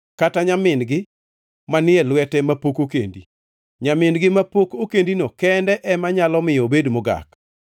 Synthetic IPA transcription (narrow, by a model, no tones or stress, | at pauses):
kataɲamɪnɡɪ | manɪɛlwɛtɛmapokokḛndi | ɲamɪnɡɪmapokokendinokɛndɛʔɛmaɲalɔmɪjɔbedmoɡa̰k